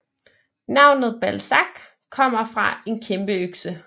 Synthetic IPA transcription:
nɑ̈ʊ̰nð̞̩ˠb̥ælsɑɡ̥ | kʰːɒ̽m̰ɐfʁɑ̈e̝nkʰemb̥əøɡ̥sə

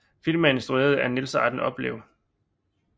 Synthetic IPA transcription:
filmæensd̥ʁueɐð̞̩ˠæɐnilsəɑ̰̈d̥n̩ɒ̽b̥le̝ːʊ

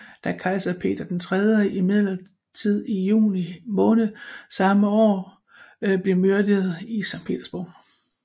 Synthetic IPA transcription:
d̥ækʰɑ̈ɪsɐpʰe̝̰ːd̥ɐd̥ent͡sʰʁɛð̞ˠjəʔimið̰ˠlɐ | t͡sʰið̞̰ˠijṵːnimɔ̽ːnð̩ˠsɑ̈məɒ̰ː | b̥le̝møɐd̥ið̩ˠisɑ̈ŋpʰe̝̰d̥ɐsb̥ɔ̰ʊ̰

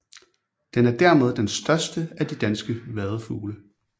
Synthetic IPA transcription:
d̥enæɐd̥æɐ̰með̞ˠd̥ensd̥ɶɐsd̥əæd̥id̥ænsɡ̥əʋæð̞ˠfṵːlə

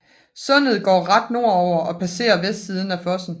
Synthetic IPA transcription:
sɔ̽n̰ð̩ˠɡ̥ɒ̰ːʁɑ̈d̥no̝ɐ̰ɒʊ̰ɐʔɒ̽pʰæse̝̰ːɐʋesd̥sið̞ˠn̩æfɒ̽sn̩

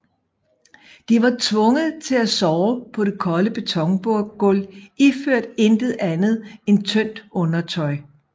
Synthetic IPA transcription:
d̥iʋɑ̈t͡sʰʋɔ̽ŋəð̩ˠt͡sʰe̝læsɒːʊpʰɒ̽ɾ̥e̝kʰɒ̽ləb̥e̝t͡sʰɒ̽ŋb̥oɐ̰ɡ̥ɔliføɐ̰d̥end̥əð̩ˠænð̞̩ˠe̝nt͡sʰœn̰d̥ɔ̽nɐt͡sʰɒ̽ɪ

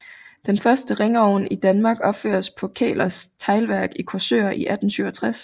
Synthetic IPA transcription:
d̥enfɶɐsd̥əʁeŋɒʊnid̥ænmɑ̈ːɡ̥ɒ̽b̥fø̰ːɐspʰɒ̽kʰɛ̰ːlɐst͡sʰɑ̈ɪlʋæɐɡ̥ikʰɒsø̰ːɐʔiʔæd̥n̩syʊɐt͡sʰʁas

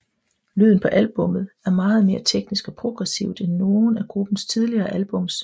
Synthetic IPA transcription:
lyð̰ˠn̩pʰɒ̽ʔælb̥ɔ̽mð̩ˠæɐmɑ̈ːð̞̩ˠme̝ːɐt͡sʰeɡ̥nisɡ̥ɒ̽pʰʁo̝ɡ̥ʁɛsiʊ̰d̥enːo̝ːn̩æɡ̥ʁub̥n̩st͡sʰið̞ˠliɐːʔælb̥ɔ̽ms

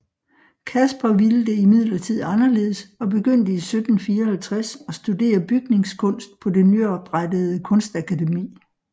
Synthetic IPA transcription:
kʰæsb̥ɐʋiləd̥e̝imið̞̰ˠlɐt͡sʰið̞̰ˠɑ̈nɐle̝̰ːðˠəsɒ̽be̝ɡ̥øn̰d̥əisød̥n̩fiːɐɒhælt͡sʰʁasɒ̽sd̥ude̝̰ːɐb̥yɡ̥ne̝ŋskʰɔ̽n̰sd̥pʰɒ̽de̝nyɒb̥ʁad̥əð̩ˠəkʰɔ̽nsd̥ækʰædemḭː

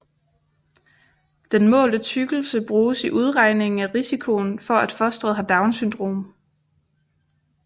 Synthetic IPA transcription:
d̥enmɔ̰ːlət͡sʰyɡ̥l̩səb̥ʁuːsiʔuð̞ˠʁɑ̈ɪne̝ŋŋ̩æʁisikʰo̝nfɒ̽æd̥fɒ̽sd̥ʁɛð̩ˠɦɑ̈d̥ɑ̈ʊnsynd̥ʁo̝̰ːm

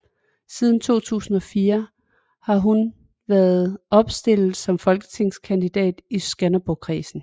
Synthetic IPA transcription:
sið̞ˠn̩t͡sʰo̝̰ːt͡sʰṵːsn̩ɒ̽fiːɐ | hɑ̈ɦun | ʋæɐðˠɒ̽b̥sd̥e̝l̰ð̩ˠsɒ̽mfɒ̽lɡ̥ə̥t͡sʰe̝ŋ̰skʰænd̥id̥ɛ̰ːd̥isɡ̥ænɐb̥okʰʁḭːsn̩

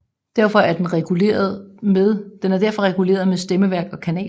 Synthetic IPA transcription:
d̥æɐfɒ̽æɐd̥enʁɛɡ̥ule̝̰ːɐð̩ˠmeðˠd̥enæɐd̥æɐ̰fɒ̽ʁɛɡ̥ule̝̰ːɐð̞ˠmesd̥eməʋæɐɡ̥ɒ̽kʰænɛ̰ː

